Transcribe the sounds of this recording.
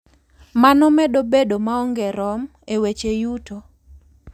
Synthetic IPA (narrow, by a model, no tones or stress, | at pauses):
manɔmɛdobedomaɔŋɡɛɾɔm | ewet͡ʃejuto